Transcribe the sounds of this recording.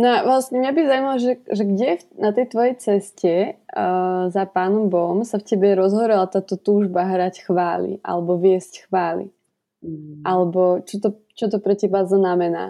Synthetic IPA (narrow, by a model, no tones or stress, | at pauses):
nɔaʋlasɲɛmɲabizaumalɔʒɛʒɛɡɟɛfnat̪ɛjt̪ʋɔjɛjt͡sɛscɛ | zapaːnɔmbɔmsafcɛbɛɾɔzɦɔɾɛlat̪aːt̪ɔt̪uːʒbaɦɾacxʋaːlḭʔa̰lɛbɔʋɪɛscxʋaːlḭ | ʔalɛbɔt͡ʃɔt̪ɔ | t͡ʃɔt̪̬ɔpɾɛcɛbaznamɛna̰ː